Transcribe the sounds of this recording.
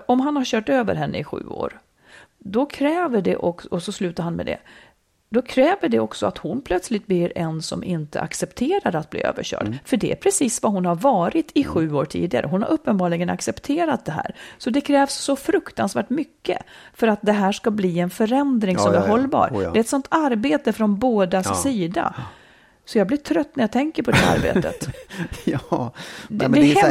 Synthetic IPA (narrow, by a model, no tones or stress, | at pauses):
ɔmɦanhaɾɕœːʈøːvə̰ɾɦɛnːʔə̰ɪɧʉ̟̰ːo̰ːɾ | d̪ɔkʰɾɛːvəɖɛ̰ʔɔkɔsɔslʉ̟ːt̪aɾhanmɛ̰d̪ɛ̰ | d̪ɔkʰɾɛːvəɖɛɔksɔat̪hʊnpʰlœt̪slɪt̪̚blɪɾɛnsɔ̰mʔɪnt̪ə̰a̰ksɛpt̪ʰeːɾaɾat̪̚blḭːø̰ːvə̰ɕœ̰ːɖ̥fœɖɛæ̰pʰɾɛsiːsvaɦʊnhaɾvɑːɾɪt̪ʰɪɧʉ̟ːoːʈʰḭːd̪ɪɡa̰ɾʔə̰ɦʊnha̰ɾʔɵpːənbɑːɖɭɪɡəna̰ksɛpt̪ʰeːɾat̪̚d̪ɛɦæ̰ːɾsɔd̪ɛkʰɾɛːvsːɔfɾɵkt̪ansvæ̰ːʈmʏkːə̰fœɾat̪̚d̪ɛɦæːʂkabliːɛnfœɾɛnd̪ɾɪŋsɔmæɾɦɔlːbɑ̰ːɾɛɛt̪sɔnt̪ʰaɾbeːt̪əfɾɔnboːd̪assiːd̪a̰ | sɔjaːblɪʈʰɾœt̪ːnæɾjat̪ʰɛŋkəɾpʰɔd̪ɛhæa̰ɾbḛːt̪ʰə̰t̪ | d̪d̪ɛ